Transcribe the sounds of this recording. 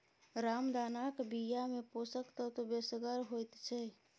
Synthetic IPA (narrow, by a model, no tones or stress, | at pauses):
ɾamd̪anakbijameposəkt̪ət̪obesɡəɾɦojt̪t͡ʃʰɛ